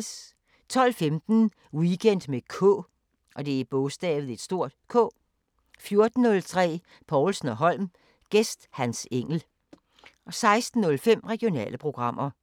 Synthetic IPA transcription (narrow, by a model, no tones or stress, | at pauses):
s | t͡sʰɒ̽l̰femd̥n̩ | wiɡ̥en̰d̥mekʰɔ̰̽ | ʔɒ̽d̥e̝æib̥ɔsd̥ɛ̰ːðð̩ˠe̝d̥sd̥o̝ɐ̰d̥kʰɔ̰̽ː | fjo̝ɐd̥n̩ːɔ̽lt͡sʰʁɛ̰ː | pʰɒʊlsn̩ɒ̽ɦɒ̽l̰m | ɡ̥esd̥hænseŋ̰l̩ | ɒ̽sɑ̈ɪsd̥n̩ːɔ̽lfem̰ʁɛɡ̥io̝nɛ̰ːləpʰʁo̝ɡ̥ʁɑ̈m̰ʔɐ